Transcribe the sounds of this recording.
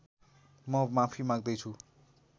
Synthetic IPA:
mʌmãpʰimãɡ̚d̪ʌjt͡sʰu

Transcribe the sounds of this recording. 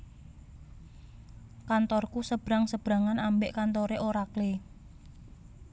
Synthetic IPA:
kant̪ɔrkusəb̥ɾa̤ŋsəb̥ɾa̤ŋanambeʔkant̪oɾeʔoɾakle

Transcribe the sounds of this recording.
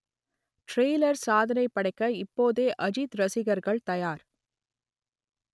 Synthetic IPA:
ʈɾeːlɐɾsaːðɐnɐɪpːɐɽɐɪkːɐɪpːoːðeːʔɐd͡ʒit̪ɾɐsɪɣɐɾɣɐɭt̪ɐjaːɾ

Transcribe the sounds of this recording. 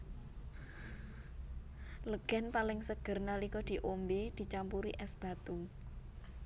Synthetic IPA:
ləɡ̥a̤npalɪŋsəɡ̥ə̤rnalikɔd̪̥i̤ʔombed̪̥i̤t͡ʃampuɾḭʔɛsb̥a̤t̪u

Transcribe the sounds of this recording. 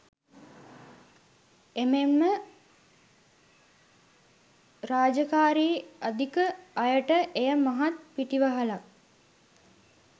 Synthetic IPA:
ememːə | ɾaːd͡ʒəkaːɾiːad̪ikəɐjəʈəʔejəmaɦat̪̚piʈiʋəɦəlak̚

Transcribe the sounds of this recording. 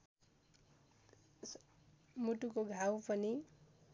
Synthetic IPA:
muʈukoɡʱawpʌni

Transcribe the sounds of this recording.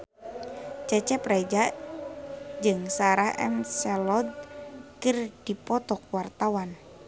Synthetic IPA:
t͡ʃɛt͡ʃɛprɛd͡ʒa | d͡ʒɨŋsaɾahʔɛ̰nsɛlɔd̪̚kɨrd̥ipɔt̪ɔkwart̪awan

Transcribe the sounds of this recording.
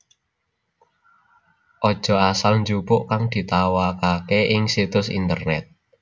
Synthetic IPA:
ʔɔd̥ʒ̥ɔ̤asalnd͡ʒupʊʔkaŋd̪̥i̤t̪awakakeʔɪŋsit̪ʊsḭnt̪ərnɛt̪̚

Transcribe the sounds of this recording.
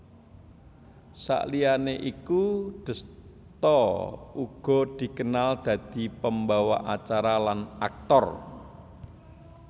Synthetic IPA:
sa̰ʔlianeʔikuɖ̪̥ə̤s | t̪ɔuɡ̥ɔ̤d̪̥i̤kənald̪̥ä̤d̪̥i̤pəmbawaʔat͡ʃaɾalana̰k̚t̪ɔr

